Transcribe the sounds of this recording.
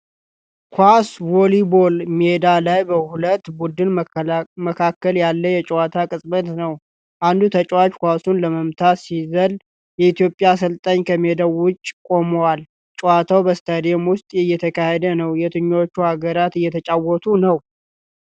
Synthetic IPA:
kʰwʷaswolibolmied̪alajbəhulət̪ːbud̪ɨnməkʰakːəljalːəjɛt͡ʃʼwat̪ʰakʼɨsʼbət̪nəw | ʔand̪ut̪ʰət͡ʃʼwat͡ʃʼkʷasunləməmt̪ʰatsizəl | jɛit̪jo̞pʼːjasɨlt̪ʼəɲːkʰəmed̪awʊt͡ʃʼːkʼo̞məwal | t͡ʃʼwat̪ʰawbəst̪ʰəd̪emwʊst̪ʼɨjːɛt̪ʰəkʰahed̪ənəwjɛt̪ʰɨɲːot͡ʃːuhaɡəɾat̪ɨjːɛt̪ʰət͡ʃʼawɔt̪ʰunəw

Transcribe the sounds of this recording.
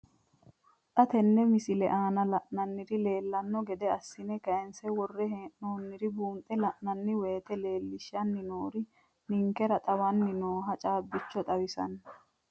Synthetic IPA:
t̪ʼɐt̪ɛnːɛmɪsɪlɛ̰ʔaːnɐlɐʔnɐnːɪɾɪle̞ːlːɐnːɔɡɛd̪ɛɐsːɪnɛkɐjɛnsɛwɔrːɛɦeːʔnoːnːɪɾɪbuːnt̪ʼːɛlɐʔnɐnːɪwe̞ːt̪ɛle̞ːlːɪʃɐnːɪnoːɾɪ | nɪŋkɛɾɐt̪ʼɐwɐnːɪnoːɦɐt͡ʃʼaːbːɪt͡ʃːɔt̪ʼɐwɪsɐ̰n

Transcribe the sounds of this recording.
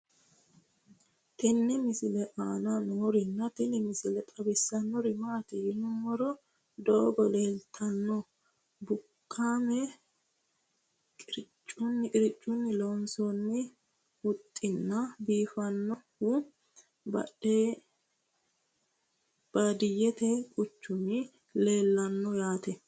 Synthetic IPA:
t̪ɪnːɪmɪsɪlɛʔaːnɐnoːɾɪnːɐt̪ɪnɪmɪsɪlɛt̪ʼɐbɪsːɐnːɔɾɪmaːt̪ɛjɪnʊmɔɾɔ | d̪ɔbɔleːlt̪ʰɐnːɔ | bʊkːaːmɛ | kʼɪɾɪt͡ʃʼːʊnːɪkʼɪɾɪt͡ʃʼːʊnːɪlonsɔnːɪ | wʊt̪ʼːɪnːɐbiːfɐnːɔhʊ | bɐ̰ᶑe | b̥ad̪ɪjɛt̪ɛkʼʊt͡ʃːʊnɪ | leːlːɐnːɔjaːt̪ɛ

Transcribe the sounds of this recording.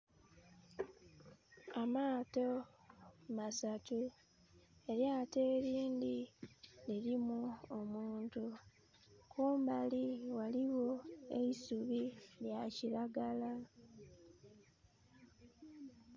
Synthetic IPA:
amaːto̞ | masatu | e̞ɾjate̞ːɾiːndiniɾimuomuːntu | kuːmbaliwaliwo̞e̞isuβiljaciɾaɡala

